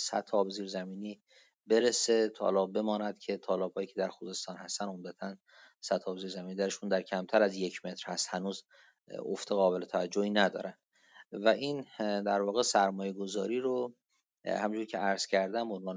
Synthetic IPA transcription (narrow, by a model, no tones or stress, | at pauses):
sæ̰t̪ʰɒːbeziːɾzæmiːniː | be̞ɾese̞t̪ʰɒ̰lɒːbe̞mɒːnæd̪̥cʰe̞t̪ʰɒːlɒːb̥̚hɒːjiːcʰe̞d̪æɾxuze̞st̪ɒːnhæst̪æno̞md̪æt̪ʰæn | sæt̪ʰːɒːbeziːɾzæmiːniːd̪æɾeʃund̪æɾcʰæmt̪ʰæɾæzje̞cʰme̞t̪ɾ̥hæst̪hænuːz | o̰ft̪eɣɒːbe̞le̞t̪ʰævæd͡ʒːohiːnæd̪ɒ̰ːɾænd̪̥ | væʔiːnd̪æɾvɒːɣesæɾmɒːje̞ɡo̞zɒːɾiːɾo | hæmid͡ʒuɾcʲʰeæɾz̥cʰæɾd̪æmbonvɒːn